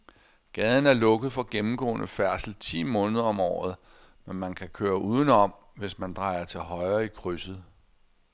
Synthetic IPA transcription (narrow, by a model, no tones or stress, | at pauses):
ɡ̥ɛːð̞ˠn̩æɐlɔ̽ɡ̥əð̞̩ˠfɒ̽ɡ̥emm̩ɡ̥ɔ̰ːnʔəfæɐsl̩t͡sʰḭːmɔ̽ːnəð̞ˠɐɒ̽mɒ̰ːð̩ˠ | menmænkʰækʰøːɐʔuːð̞ˠənɒ̽m̰ | ʋe̝smænd̥ʁɑ̈ɪ̰ɐt͡sʰe̝lɦɒ̽ɪɐikʰʁysð̩ˠ